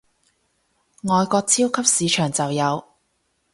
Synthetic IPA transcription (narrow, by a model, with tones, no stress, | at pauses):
ŋɔː˨˧jkɔː˧k̚t͡sʰiː˥wkʰɐ˥p̚siː˨˧t͡ʃʰœː˨˩ŋt͡sɐ˨wjɐ˨˧w